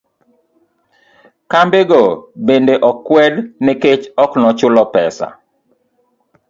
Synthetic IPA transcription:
kambeɡobendeʔɔkːwɛdneket͡ʃɔknɔt͡ʃʊlɔpɛsa̰

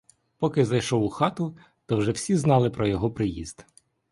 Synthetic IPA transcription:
pɔkɪzɐjʃɔwʊxɑt̪ʊ | t̪ɔwʒɛwsʲiznɑlˠɪpɾɔjɔɦɔpɾɪjḭz̥d̪̥

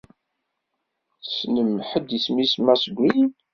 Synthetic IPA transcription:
θsnəmħəd̪ismismæsəɡʷːin

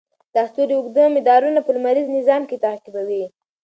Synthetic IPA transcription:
d̪̥ɑxt̪oɾiuɡd̪əmɪd̪ɑɾunapəlumaɾiznɪzɑmket̪akibawi

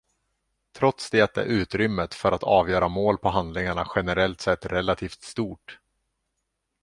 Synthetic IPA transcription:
t̪ʰɾɔt̪sd̪eːt̪̚ɛ̰ɾʔʉ̟ːt̪ɾʏmːət̪fœɾat̪ʰɑːvjœːɾamoːlpʰɔɦand̪lɪŋaɳaɧɛnɛɾɛlt̪sɛt̪ːɾɛlːat̪ʰiːft̪st̪uːʈ

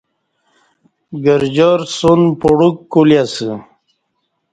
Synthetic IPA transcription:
ɡəɾd͡ʑoɾsunpoɽukːuljasɨ

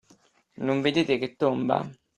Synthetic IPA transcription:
nuɱvid̪iːt̪ɪkɪt̪ːomba̰

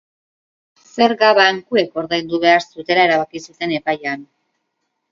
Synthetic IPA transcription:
se̞ɾɣaβaŋkue̞ko̞ɾðejnd̪uβe̞aɾsut̪e̞lae̞ɾaβakisut̪e̞ne̞pajan

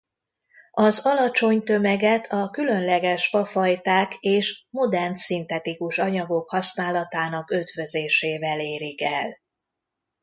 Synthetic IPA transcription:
ɒzɒlɒt͡ʃo̞ɲt̪ømɛɡɛt̪ʰɒkylø̞nlɛɡɛʃfɒfɒjt̪aːkeːʃmo̞d̪ɛrnt̪sint̪ɛt̪ikuʃɒɲɒɡo̞khɒsnaːlɒt̪aːnɒkøt̪vø̞zeːʃeːvɛleːɾikɛl

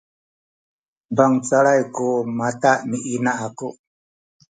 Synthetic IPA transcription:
baŋt͡saɭajkumat̪aʔmiʔinaaku

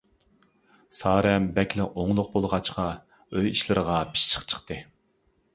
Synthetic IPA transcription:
sɑːɾɛmbɛkʲlɪʔoŋlˠʊq̚bolˠʁɑt͡ʃqɑ | øjiʃlˠɨɾəʁɑpʰi̥ʃt͡ʃʰə̥χt͡ʃʰə̥χt̪ɨ

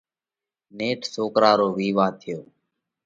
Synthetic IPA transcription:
neːʈʰsoːkɾaːɾoːʋiːʋãːt̪ʰɪjoː

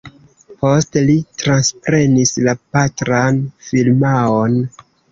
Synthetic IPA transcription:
po̞stelitɾanspɾe̞nislapatɾanfilmaon

